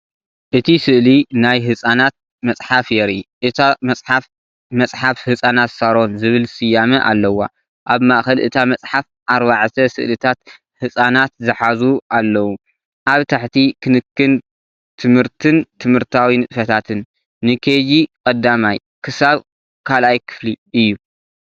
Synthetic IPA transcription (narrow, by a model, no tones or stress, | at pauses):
ʔɨt̪ʰisɨʔlinajɦɨsʼanat̪̚ | mɐsʼħafjɛɾiʔɨt̪ʰamɐsʼħaf | mɐsʼħafhɨsʼanat̪sɐɾo̞nzɨβɨlsɨjːamɐʔa̰lːɐwa̰ | ʔaβmaʔxɐlʔɨ̰t̪ʰamɐt͡sʼħaf | ʔaɾβaʕt̪ʰɐsɨ̰ʔlɨt̪ʰat̪ | hɨsʼanat̪zɨħazuʔalːɐwu | ʔaβt̪ʰaħt̪ʰikʰɨnɨkʰːɨn | t̪ʰɨmhɨɾt̪ʰɨnt̪ʰɨmhɨɾt̪ʰawinɨt̪ʼfɐt̪ʰat̪ʰɨnː | ɨkʰed͡ʒikʼɐd̪amaj | kʰɨsaβ | kʰalʔajkʰɨ̥fliʔɨjːu